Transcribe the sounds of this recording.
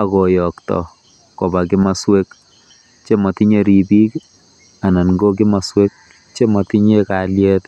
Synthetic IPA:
a˨kɔ˨jɔ˨ktɔ̰˨ | ko˨ba˨kɪ˦ma˨swe˦k | t͡ʃe˦mɔ˨ti˦ɲe˨ɾi˨bi˦k | a˨na˨nɡo˦k̬i˦ma˨swe˦k̚ | t͡ʃe˦mɔ˨ti˦ɲe˦ka˨ljɛ˦t

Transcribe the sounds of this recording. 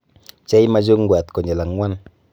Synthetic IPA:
t͡ʃɛ˦jma˦d͡ʒo˦ŋ˦ɡwa˨t̪ko˨ɲe˨la˨ŋːwa˦n

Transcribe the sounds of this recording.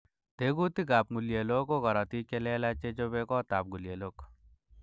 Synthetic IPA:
t̪eɡu˦t̪i˦ɡa˨p̚ŋu˨lje˨lo˦ko˦ɡɔ˨ɾa˨t̪i˦ke˦le˦la˦t͡ʃe˦d͡ʒo˦be˦kɔ˦t̪a˨p̚ɡu˨lje˨lo˦k

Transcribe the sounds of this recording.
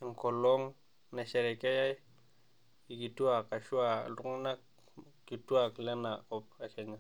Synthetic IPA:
ŋ˨ko˨lo˦ŋ | na˨ʃe˨ɾe˨ke˦ja˦j | i˨ki˨tu˦a˨ka˨ʃu˦a̰˨du˦ŋ˦na˦k̚ | ki˨tu˦a˨kle˦na˨ko˦p̚a˨ke˨ɲa˨

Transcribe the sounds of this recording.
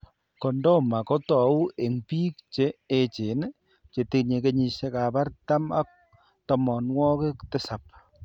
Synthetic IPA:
kɔ˨ndɔ˦ma˨kɔ˦tɔ˨˦u˦ʔe˨ŋpiː˦k̚t͡ʃe˦e˦t͡ʃe˨n | t͡ʃe˨te˦kɲe˨ke˦ɲi˨ʃe˦ka˨ba˦ɾta˦ma˦k̚ | tɔ˦mɔ˨nwɔ˦ke˦kte˦sa˨p̚

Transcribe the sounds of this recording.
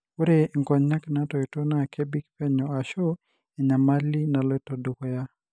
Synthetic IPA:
o˦ɾe˦˨ŋkɔ˨ɲːa˦kna˦tɔ˨i˨to˦na˦˨kʰe˦bi˦kpɛ˦ɲɔ˨a˨ʃo˦ | ɛ˨ɲa˨ma˦li˦na˨lɔ˦ɛ˦to˨do˨ko˦ja˦

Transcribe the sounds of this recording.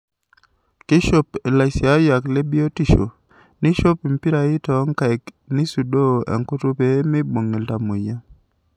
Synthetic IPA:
kɪ˦ʃo˦pe˨la˨sja˦ja˨kle˦bi˦o˦ti˦˨ʃo̰˨ | nɪ˦ʃo˦pi˨mpi˦ɾa˨ɪ˦tɔ˨˦ŋka˨k | ni˦su˨do˦˨ɛ̰˨ŋko˦tu˦pe˨˦mɪ˦bo˨ŋe˨lta˨mo˨ja˦

